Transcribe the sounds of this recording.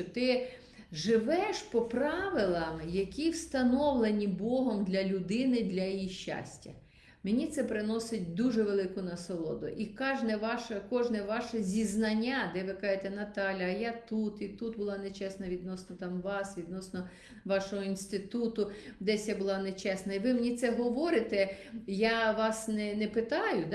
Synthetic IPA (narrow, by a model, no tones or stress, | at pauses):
t̪ɪ | ʒɪʋɛʃpɔpɾɑʋɪlˠɐmjɐkʲiwst̪ɐnɔʋlˠenʲibɔɦɔmd̪lʲɐlʲʊd̪ɪnɪd̪lʲɐjjiʃt͡ʃːa̰sʲtʲɐ̰ | menʲit̪sɛpɾɪnɔsɪt̚ʲd̪uʒɛʋelˠɪkʊnɐsɔlˠɔ̰d̪ʊ̰ʔikɑʒnɛʋɑʃɐkɔʒnɛʋɑʃɛzʲiznɐnʲːad̪ɛʋɪkɑʒet̪ɛnɐt̪ɑlʲɐɐjat̪ut̪it̪ut̪bʊlˠɑnet͡ʃɛsnɐʋʲid̪nɔsnɔt̪ɑmʋɑsʋʲid̪nɔsnɔ | ʋɑʃɔɦɔinst̪ɪt̪ut̪ʊd̪ɛsʲjabʊlˠɑnet͡ʃɛsnɐiʋɪmenʲit̪sɛɦɔʋɔɾɪt̪ɛjaʋɑsnɛnɛpɪt̪ɑjʊd̪